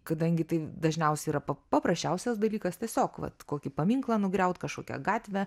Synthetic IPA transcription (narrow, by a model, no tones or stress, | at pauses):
kɐd̪ɐŋʲɡʲɪt̪ɐɪd̪ɐʒʲnʲɛʊsʲɛiːɾɐpɐpɐpɾɐsʲt͡ʃʲɛʊsʲɛsd̪ɐlʲiːkɐst̪ʲɛsʲoːkʋɐ̰t̪koːkʲɪpɐmʲiɪŋklˠɐnʊɡɾʲɛʊt̪kɐʃko̰ːkʲɛ̰ɡɑːt̪ʲʋʲæ